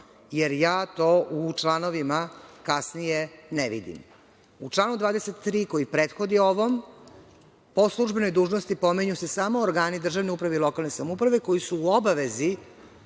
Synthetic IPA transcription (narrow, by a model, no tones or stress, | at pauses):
jeɾjaːt̪o̞ːʔut͡ʃlˠaːno̞ʋimakasnijeneʋḭd̪ḭm | ut͡ʂlˠaːnud̪ʋaːd̪eset̪ːɾiːko̞jipɾeːt̪xo̞d̪io̞ʋom | po̞slˠuʒbe̞no̞jd̪uːʒnost̪ipo̞miɲuse̞saːmooɾɡaːnid̪r̩ʒaʋneupɾaʋe̞ilˠo̞kalˠne̞samoupɾaʋe̞ko̞jisuːobaʋe̞zi